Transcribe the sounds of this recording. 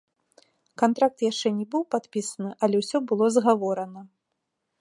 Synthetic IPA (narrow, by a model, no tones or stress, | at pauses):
kant̪ɾak̚t̪jaʂt͡ʂɛnʲɛbɨwpat̪pʲisɐnɨʔɐlʲɛwsʲɔbɨlˠɔzɣavɔɾɐnɐ